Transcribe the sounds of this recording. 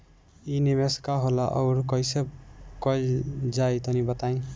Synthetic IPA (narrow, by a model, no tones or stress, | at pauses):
inimeskaɦolaʔʌ̰ɾkʌjseb̚kʌjd͡ʒajt̪ʌnibʌt̪aĩ